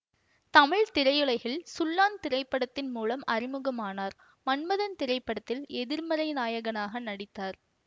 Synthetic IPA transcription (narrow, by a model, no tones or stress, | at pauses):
t̪ɐmɪɭt̪ɪɾɐjɯɭɐɪɣɪɭsʊlːaːnt̪ɪɾɐɪpːɐɽɐt̪ːɪnmuːlɐmɐɾɪmɯɣɐmaːnaːɾ | mɐnmɐðɐnt̪ɪɾɐɪpːɐɽɐt̪ːɪlɛðɪɾmɐɾɐɪnaːjɐɣɐnaːɣɐnɐɽɪt̪ːaːɾ